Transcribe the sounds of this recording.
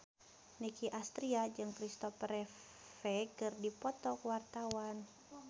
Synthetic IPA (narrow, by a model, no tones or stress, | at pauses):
nikiʔast̪ɾiad͡ʒɨŋkɾist̪ɔfɾɛ | fɛkɨrdipɔt̪ɔkwart̪awan